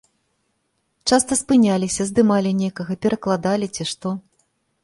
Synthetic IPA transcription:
t͡ʂast̪ɐspɨnʲalʲisʲɐzd̪ɨmalʲinʲejkɐɣɐpʲɛɾɐklˠad̪alʲit͡sʲiʂt̪ɔ

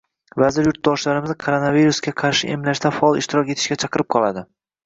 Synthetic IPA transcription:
vazɪɾjʊɾt̪̚d̪ɒʃlaɾɪmɪzkʰoɾonaviɾusɡʲaqʰɑɾʃɪʔe̞mlaʃt̪afɒɒlˠɪʃt̪ʰɪɾɒkʲe̞t̪ʰɪ̥ʃkʲat͡ʃʰɑqɨɾɪp̚qʰɒlˠad̪ɪ

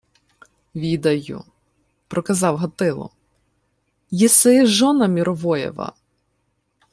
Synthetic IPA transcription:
ʋʲid̪ɐjʊ̰ | pɾɔkɐzɑwɦɐt̪ɪlˠɔ̰ | jesɪʒɔnɐmʲiɾʔɔʋɔjɛ̰ʋɐ̰

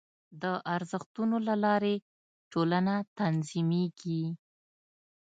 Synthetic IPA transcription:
d̪əʔaɾzəxt̪unolalɑɾe | ʈolanat̪anzimeɡi

